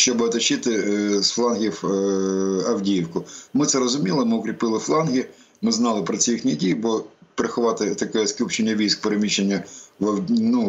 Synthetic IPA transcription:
ʃt͡ʃɔbɐt̪ɐt͡ʃːɪt̪ɪsflˠɑnɦʲiw | ɐwdʲijiwkʊmɪtsɛɾɔzʊmʲilˠɪmɪʊkɾʲipɪlˠɪflˠɑnɦʲɪ | mɪznɑlˠɪpɾɔt͡sʲijixnʲidʲijbɔpeɾexʊʋɑt̪ɪt̪ɐkɛɛskʲupt͡ʃenʲːɐʋʲijsk̚peɾemʲiʃenʲːɐʋɐwnu

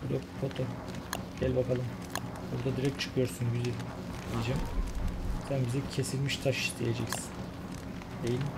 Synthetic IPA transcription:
bɾokfʰot̪ʰo | ɟælʲbakʰalˠɯm | buɾd̪ad̪iɾɛc̚t͡ʃʰɯ̥kʰɯjo̞ɾsunbizi | iid͡ʒam | sænbizɛcʰe̞silʲmiʃt̪ʰaʃi̥ʃd̪ʰejed͡ʒɛcsi̥n | d̪ejilʲim

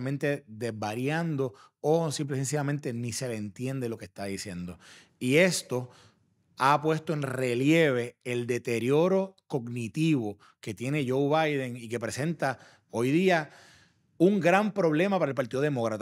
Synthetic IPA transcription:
mẽnt̪e̞ðe̞ɦbaɾjand̪o̞osimp̬lesens̬ijamẽnt̪e̞nise̞leːnt̪je̞nd̪elo̞kest̪aðisje̞nd̪o̞ | ie̞st̪o̞ | apwe̞st̪oe̞nre̞lje̞β̞e̞eld̪e̞t̪e̞ɾjo̞ɾo̞ko̞ɡnit̪iβo | ke̞t̪je̞ne̞ʝo̞wβajðeŋike̞pɾe̞sẽ̞nt̪a | ojðia | uŋɡɾampɾo̞βle̞mapaɾaelpaɾt̪iðo̞ðemokɾat̪

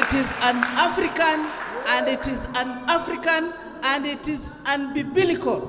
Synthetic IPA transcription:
itizãnafɾikãnãnditizãnafɾikãn | ãnditiz | ãnbibilikol

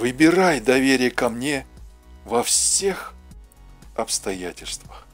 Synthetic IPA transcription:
vɨbʲɪɾajd̪ɐvʲeɾʲɪjəkɐmnʲe | vɐfsʲe̞x | ɐpst̪ɐjætʲɪlʲst̪vəx

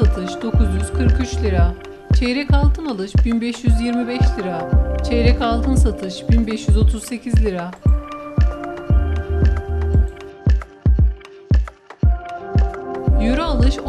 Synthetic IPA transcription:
at̪ʰɯʃd̪o̞kʰuzjyz̥kʰɯɾkyt͡ʃlʲiɾa | t͡ʃʰɛɾɛcalˠt̪ʰɯnalˠɯʃbinbɛʃjyzjiɾmibɛʃlʲiɾat͡ʃʰɛɾɛcalˠt̪ʰɯnsat̪ʰɯʃbinbɛʃjyzo̞t̪ʰuzse̞cʰizlʲiɾa | joɾualˠɯʃ

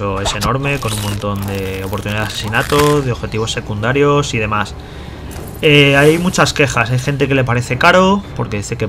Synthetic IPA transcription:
o̞e̞se̞no̞ɾme̞ko̞nuŋmõnt̪o̞nd̪e̞o̞poɾt̪uniðaðasesinat̪o̞ðeo̞βxe̞t̪iβ̞o̞sːe̞kund̪aɾjo̞sið̞e̞mas | eajmut͡ʃaske̞xasajxe̞nt̪̬e̞ke̞le̞paɾe̞θe̞kaɾo̞po̞ɾke̞ðiθe̞ke

